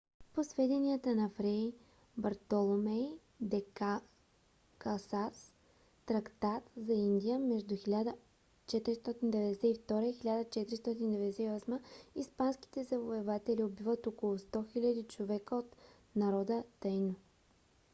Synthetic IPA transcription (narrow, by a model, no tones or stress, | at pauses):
posvɛd̪ɛniət̪ənɐfɾɛj | bɐɾt̪olˠomɛ | d̪ɛka | kasasː | ɾɐkt̪at̪zɐind̪ʲijəmɛʒd̪uxilʲad̪ə | t͡ʃɛt̪ɾist̪ɔt̪ind̪ɛvɛd̪ɛsɛift̪ɔɾəixilʲad̪ət͡ʃɛt̪ɾist̪ɔt̪ind̪ɛvɛd̪ɛsɛiɔsməispanskʲi̥t̪ɛzɐvoɛvat̪ɛliobivət̪okolˠʊst̪ɔxilʲəd̪it͡ʃovɛkəot̪ | nɐɾɔd̪ət̪əjno